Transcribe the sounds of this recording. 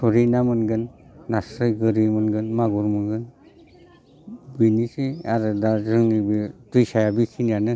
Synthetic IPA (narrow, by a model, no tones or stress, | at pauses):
sɔɾinamɯnɡɯnːasɾɯjɡɯɾimɯnɡɯnmaɡuɾmɯnɡɯn | binisiaɾɯdazɯŋibidɯjsajabikʰinjanɯ